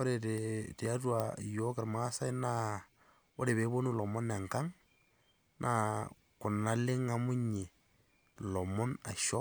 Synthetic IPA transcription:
o˦ɾe˨te˨te˨a˦twa˨jo˦ka˨ɾma˦sa˦i˦na˦ | o˦ɾe˨βe˨˦bo˦nu˦lɔ˨mo˦na˨ŋka˦ŋ | nʔa˦ | kʊ˨na˦lɪ˦ŋa˦mʊ˦ɲe˨ | lɔ˨mo˦na˨ʃɔ˦

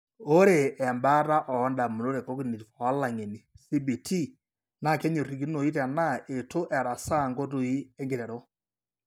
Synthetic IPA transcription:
o˦ɾe˨ʔɛ˨mba˦ta˦ʔɔ˨ɔ˦nda˨mu˨no˦ɾe˨ko˦ki˦˨ni˨tfɔ˨a˦la˨ŋe˨ni˨si˦bi˨tʰi˦ | na˦˨kɛ˦ɲo˨ri˨k̬i˦no˨i˦tɛ˨na˦e˨to˦ʔɛ˨ɾa˨sa˦˨ŋɡo˦t̬o˨i˦ɛ˦ŋɡe˨ɾɛ˨ɾɔ˦

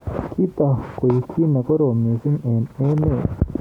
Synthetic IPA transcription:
ki˦t̪a˨ko˨ji˨kʰi˦na˨ko˦ɾo˨mẽ˨si˦ŋu˨ne˦ne˦˨

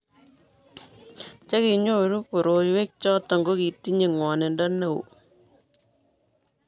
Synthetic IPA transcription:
t͡ʃe˦ki˨ɲo˦ɾu˦ko˨ɾo˨jwe˦k̚t͡ʃɔ˦tɔ˨ŋɡo˦ki˨tːi˦ɲe˨ŋwɔ˨ne˨ndɔ˦ne˦˨wṵ˨

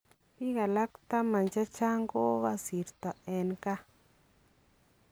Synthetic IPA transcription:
pi˦ɣa˨la˦kt̪a˦ma˨nt͡ʃa˦t͡ʃa˦ŋɡo˦ɣa˧si˨ɾt̪a˨e˧nka˦

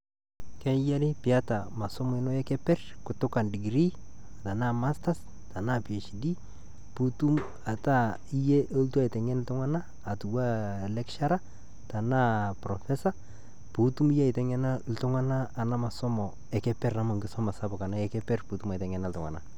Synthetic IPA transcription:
kɛ˦ja˦ɾɪ˦pi˨a˦ta˨ma˨sɔ˦mɔ˨ɛ˦nɔ˦jɛ˦kɛ˦pɛ˦rkʊ˨tʊ˦ka˨ndi˨ɡɾi˦ | a˨ta˨na˦ma˦sta˦s | ta˨na˦pi˨e˨ʃi˨di˦ | pu˦tu˦m | a˨ta˦ | i˦je˦ʔo˦ltu˦a˨i˨tɛ˨ŋɛ˦nltʊ˦ŋa˦naː˦˨tu˨wa˦˨lɛ˦kʃa˦ɾa˦ | ta˨na˦pɾɔ˨fɛ˦sa˦ | pu˨tu˦mi˦jɛ˦ɪ˨tɛ˨ŋɛ˦na˦ltʊ˦ŋa˦naː˦˨na˦ma˨sɔ˦mɔ˨ | ɛ˨kɛ˦pɛ˦ra˨ma˨ŋɡɪ˦sɔ˦ma˨sa˦bʊ˨ka˨na˦ɛ˦kɛ˦pɛ˦rpu˨tu˦ma˨tɛ˨ŋɛ˨na˨ltʊ˨ŋwa̰˨na˨

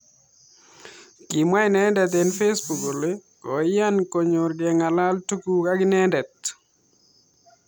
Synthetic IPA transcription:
ki˨mwa˦ɪ˦nɛ˦ndɛ˨t̪̬e˨nfe˦sbu˨ko˨le˦ko̰˨ja˦nko˨ɲo˨ɾɡɛ˨ŋa˨la˦ltu˦ku˨ka˦ɡɪ˦nɛ˦ndɛ˨t̪

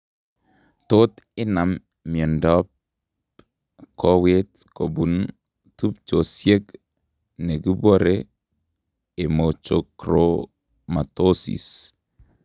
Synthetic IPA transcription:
t̪o˦t̪ɪ˦na˨mː | i˨ɔ˨ndɔ˦p̚ | kʰɔ˦we˦t̪ko˨bu˨n | tu˦p̚t͡ʃo˨sje˦k | ne˨ɡi˦bwo˦ɾe˦ | e˨mot͡ʃo˨kɾo | ma˨t̪o˦sḭ˨s

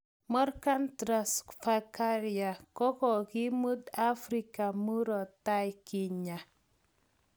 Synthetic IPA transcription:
mɔ˦rka˦ntɾa˨sfa˨ka˦ɾia˨kɔ˦kɔ˨ki˦mu˦da˦fɾi˨ka˨mu˦ɾɔ˨ta˦jki˨ɲa˨

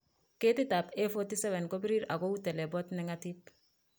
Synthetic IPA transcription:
ke˦ti˦ta˨pe˦fɔti˦sɛ˦βɛ˨nko˦bi˦ɾi˦ɾa̰˨ɡo˦u˦tɛ˨lɛ˨bɔ˦tnɛŋatip̚

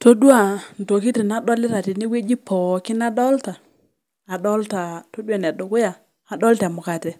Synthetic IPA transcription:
to˦dwa˦˨n̩˨to˨ki˦ti˨na˦dɔ˦lɪ˦ta˨ti˨ni˦we˦d͡ʒi˦pɔ˨kɪ˦na˦dɔ˦ltaː˨ | dɔ˦lta˨to˦dwa˨nɛ˨dʊ˨kʊ˦ja˨ | a˨dɔ˦ltɛ˨mʊ˨ka˨tɛ˨

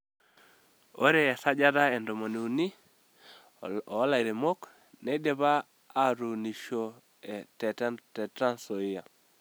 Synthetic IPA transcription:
o̰˦ɾe˨a˨sa˦d͡ʒa˦ɾa˦e˨ndɔ˨mo˨ni˨u˨ni˦˨˦ | la˨i˨ɾe˨mo˦k | ne˦de˦βaː˦ | ɾu˨ni˨ʃo˦ | ɛ˨tɛ˨˦tɛ˨tɾa˦nso˨ɪ˦ja˨

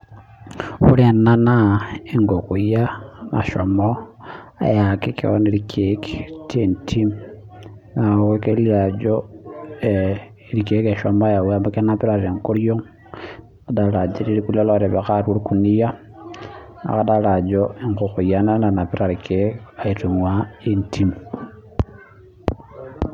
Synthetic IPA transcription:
xṵ˦le˨na˦naiŋɡo˨kujama̰˨ʃomo | a̰˨jaki˦kḭonilikʰeki̥tʰintʰim | na˨ukeliɾad͡ʒo˨ | ɾi˨ke˦ke˨ʃɔ˨mɔ˦a˦ja˨we˦a˦mba˦ke˦na˦pi˦ɾa˨ɾe˨ŋku˦ɾjo˦ŋ | ada˨la˨d͡ʒe˦ɾi˦ɾi˦ku˦le˦lɔɾe˨βa˨ka˦ɾu˦ɾku˨ni˦ja˦ | a̰˨ka˦da˦la˨d͡ʒoe˦ŋko˨ku˨ja˦na˦na˨na˨pi˦ɾa˨ɾi˨kʰeka˨i˨tu˨ŋwa˦i˦ntʰi˦m

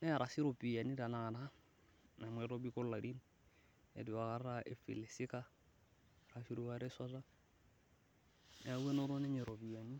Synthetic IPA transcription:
nɛ˦a˨ɾa˨si˦ɾo˨pi˨ja˨ni˦da˨na˨na˦ | na˨mwɛ˨ɾo˦bi˦kɔ˦lla˨di˦n | ḛ˨di˨wa˨ɣa˨ɾa˦ʔɪ˨fḭ˨le˨sɪ˦ka˦ | ra˨fi˦ɾu˦waɾɛ˦sa˦ra˦ | a˨u˦ɛ˦nɔ˦ɾɔ˦nɛ˦ɲɛ˨ɾo˨bi˨a˨ni˦

